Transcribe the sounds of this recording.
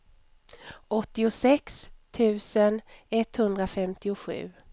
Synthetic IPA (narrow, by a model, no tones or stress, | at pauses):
ɔt̪ːɪʊsɛkst̪ʰʉ̟ːsənɛt̪hɵnd̪ɾafɛmt̪ɪʊɧʉ̟̰ː